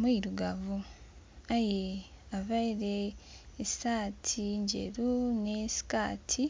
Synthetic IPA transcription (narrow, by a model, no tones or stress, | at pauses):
miɾuɡaβu | aje | aβaiɾeːsaːtʰiɲɟḛɾunesi̥kaːtʰi